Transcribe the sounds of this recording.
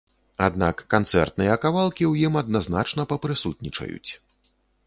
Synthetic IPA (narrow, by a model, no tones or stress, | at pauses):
ad̪na̰kːant̪sɛ̰rt̪nɨjɐkavalˠkʲiwjimɐd̪̚nazna̰t͡ʂnɐpɐpɾɨsut̪̚ʲnʲit͡ʂɐ̰jṵt͡sʲ